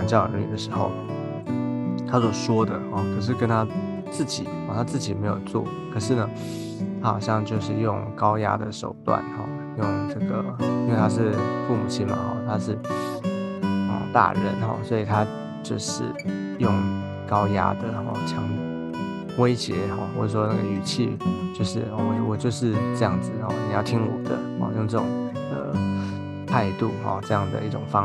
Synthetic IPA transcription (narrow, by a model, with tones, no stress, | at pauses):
ɑ˧˥ŋt͡ɕjny̰˥˩d̪ə˩ʂɻ̩˧˥xo̰˥˩ʊ | t̪ʰa˥swɔ˨˩ʂwɔ˥d̪ə˨xɔ˥˩kʰɤ˨˩ʂ̬ɻ̩˥˩kə˥nt̪ʰa˥ | t͡sɹ̩˥˩t͡ɕi˨˩˦ɔ˥˨˩t̪ʰa˥t͡sɹ̩˥˩t͡ɕi˨˩me˧˥ɪjo̰˨˩ʊt͡swɔ̰˥˩˨kʰɤ˨˩ʂɻ̩˥˩nə˩ | t̪ʰa˥xɑ̰˨˩ʊɕjɑ˥˧ŋt͡ɕjo˥˧ʊʂɻ̩˥˧jʊ˥˧ŋkɑ˥ʊja̰˥d̪ə̰˨ʂo˨˩ʊt̪wa̰˥˩nxɔ̰˥˧ | jʊ˥˧ŋʈ͡ʂɤ˥˩ɡə˩i˥nwe˥˧ɪt̪ʰa˥ʂ̬ɻ̩˥˧fu˥˩mṵ˨˩t͡ɕʰi˥nma̰˨xɔ˥˩t̪ʰa˥ʂɻ̩˥˩ | xɔ̰˨˩t̪a̰˥˧ɻə̰˧˥nxɔ̰˨˩swɔ˧˥i˨˩t̪ʰa˥˦ | t͡ɕjo˥˧ʊʂɻ̩̰˥˩ | jʊ˥˩ŋ | kɑ˥ʊja̰˥d̪ə˨xɔ̰˧˩t͡ɕʰjɑ˧˥ŋ | we˥ɪɕjɛ˧˥xɔ˥˧xwɔ̰˨˩ʂɻ̩˥˩ʂwɔ˥˧na˥ɡə˨y˨˩t͡ɕʰḭ˥˧t͡ɕjo˥˧ʊʂɻ̩˥˩ɔ˥˩˨wɔ˨˩t͡ɕjo˥˧ʊʂɻ̩˥˧ʈ͡ʂɤ˥˧jɑ̰˥˩ŋd͡zɹ̩˨˩xɔ˨˩ni˨˩jɑ˥˩ʊt̪ʰi˦˥ŋwɔ̰˨˩d̪ə̰˦hɔ̰˥˧jʊ˥˧ŋʈ͡ʂɤ˥˩ʊ˨˩ŋ | d̪ə̰˩ | t̪ʰa˥˧ɪt̪u˥˨˩xɔ̰˥˩ʈ͡ʂɤ˥˧jɑ˥˩ŋd̪ə̰˩i˥˩ʈ͡ʂʊ˨˩ŋfɑ˥˦